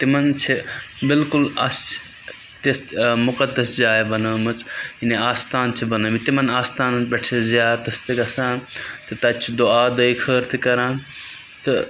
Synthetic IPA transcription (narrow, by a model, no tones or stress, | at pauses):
t̪imɐnt͡ʃʰibɪlkʊlɐs | t̪esmʊqɐd̪ɐsd͡ʒaːebɐnɐːmɐt͡sineaːst̪aːnt͡ʃʰibɐnɐːmit̪imɐnaːst̪aːnɐnbʲɐʈʰezjaːd̪t̪ɐst̪ikɐsãːt̪ɨt̪ɐt͡ʃʰid̪oaːd̪ɐiːkʰəːɾt̪ʰikɐɾãː | t̪ɐ